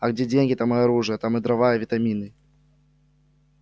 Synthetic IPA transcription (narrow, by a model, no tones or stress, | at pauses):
ɐɡd͡zʲed͡zʲenʲɡʲit̪amɨaɾuʐɨjɐt̪amɨd̪ɾavajɐvʲit̪amʲinɨ